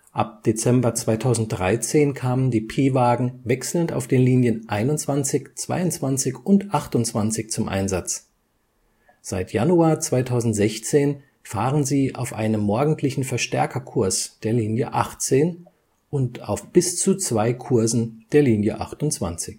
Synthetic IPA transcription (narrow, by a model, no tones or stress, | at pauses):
ʔap̚d̥et͡sɛmbɐt͡sv̥aɪtʰaʊzn̩t̚d̥ʁaɪt͡seːnkʰaːməndiːpʰeːvaːɡŋ̩vɛksl̩nta̰ʊfd̥eːnliːnjənʔaɪnʊnt͡sv̥ant͡sɪçt͡sv̥a̰ɪʊnt͡sv̥ant͡sɪçʊntʔaχtʊnt͡sv̥ant͡sɪçt͡sʊmʔa̰ɪnzat͡s | z̥aɪtja̰nuaːɐt͡sv̥aɪtʰaʊzn̩tz̥ɛçt͡seːn | faːʁənziːa̰ʊfʔa̰ɪnəmːɔɐɡŋ̩tʰlɪçn̩fɛɐʃtɛɐkʰɐkʰʊɐsd̥eːɐliːnjəʔa̰χt͡seːn | ʔʊnta̰ʊfb̥ɪst͡sut͡sv̥aɪkʰʊɐzn̩d̥eːɐliːnjə̰ʔa̰χtʊnt͡sv̥a̰nt͡sɪç